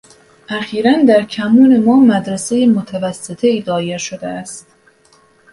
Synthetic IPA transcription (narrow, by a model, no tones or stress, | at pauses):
ʔæxiːɾænd̪æɾcʰæmuːne̞mɒːmæd̪ɾæse̞jemot̪ʰævæsːet̪ʰeiːd̪ɒːjeɾʃod̪eæst̪